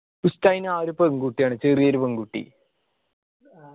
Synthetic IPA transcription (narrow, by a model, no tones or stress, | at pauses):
pustaːjnaːɾupːɐŋɡuʈːijaːɳɨt͡ɕerijeɾupɐŋɡuʈːḭ